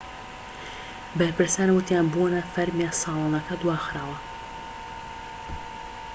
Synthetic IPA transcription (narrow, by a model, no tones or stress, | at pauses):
bɐɾpɨɾsaːnwʊt̪ʰjaːnbonɐfɐɾmjasɑːlˠɑːnɐkɐd̪waːxɾaːwɐ